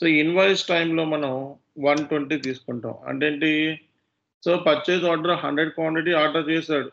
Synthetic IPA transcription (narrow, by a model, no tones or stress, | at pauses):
soːinʋɐjsʈɐjmlo̞ːmɐnɐ̃m | ʋɐnʈwɐɳʈiːt̪iːsu̥kuɳʈa̰ːmɐ̰ɳʈeːɳʈi | soːpɐt͡ʃːeːd͡ʒaːʈɐɾɐɦɐɳɖɾeɖ̚kwaːɳʈiʈ̬iaːɾʈɐɾt͡ʃɛːsaːɽu